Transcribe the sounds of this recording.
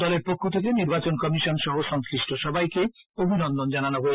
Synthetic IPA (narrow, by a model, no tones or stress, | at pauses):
ɔleɾpokʰːot̪ʰek̬eniɾbat͡ɕonkɔmiʃɔnʃɔɦoʃɔŋslɾiʃʈʰoʃɔbʱajke | obʱinɔnd̪ond͡ʑananoɦoe